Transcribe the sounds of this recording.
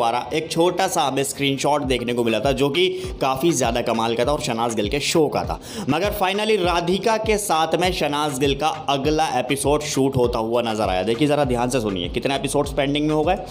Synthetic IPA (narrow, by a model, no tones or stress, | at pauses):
aːɾa̰ʔeːk̚t͡ʃʰoːʈasabeskɾiːnʃɔːʈd̪eːkʰnekomɪlat̪ʰad͡ʒoːkikaːfizjaːd̪akɐmaːlkɐt̪ʰaɔːɾʃɐnaːzɡɪlkeʃoːka̰ːt̪ʰa̰ː | mɐɡəɾfaːɪnəliɾaːd̪ʱɪkakesaːt̪ʰmẽʃɐnaːzɡɪlkaɐɡlaʔeːpɪsoːɖʃuːʈɦoːt̪aɦʊanɐzəɾa̰ːja̰d̪eːkʰiezɐɾad̪ʱjaːnsesʊnḭḛkɪt̪naeːpɪsoːɖspɛ̃ːɳɖɪ̃ŋɡmẽɦoːɡɐeː